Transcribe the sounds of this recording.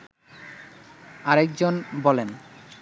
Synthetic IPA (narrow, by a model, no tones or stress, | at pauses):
aɾɛk̚d͡ʑonbɔlen